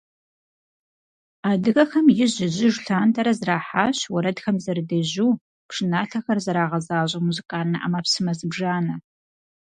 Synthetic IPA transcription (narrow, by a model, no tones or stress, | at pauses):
aːdɨɣɐxɐmjɪʑɪʑɪʒɬaːntʰʼɐɾɐzraːħaːɕwɐɾɐdxɐmzɐrɨdɐʑuː | pʂɨnaːɬɐxɐrzɐɾaːʁɐzaːɕʷʼɐmuzɨkʼaːnnɐʔa̰mapsɨmɐzɨbʐaːnɐ